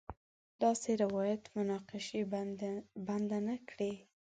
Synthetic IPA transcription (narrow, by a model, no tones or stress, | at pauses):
d̪̥ɑseɾawɑjat̪mʊnɑqɪʃe | band̪anakɽe